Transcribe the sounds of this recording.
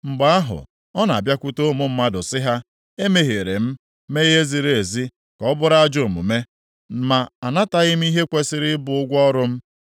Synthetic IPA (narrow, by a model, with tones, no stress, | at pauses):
ŋ͡m̩˨ɡ͡ba˦a˦ɦʊ̰˨ | ɔ˦na˨bja˦kʷu˦to˦mʊ˦m̩˦ma˦dʊ˨sɪ˦ɦa˦ | e˦me˦ɦe˨ɾe˨m̩˦ | me˦ɣe˦zi˨ɾe˨e˨zi˦ | kɔ˨˦bʊ˦ɾa˦a˦d͡ʒo˦˨mṵ˨me˦ | ma˨a˨na˦ta˦ɣɪ˦m̩˦i˦ɦe˦kʷe˦sɪ˦ɾɪ˦bʊ˨ʊ˦ɡʷɔ˦ɾʊ˦m̩˦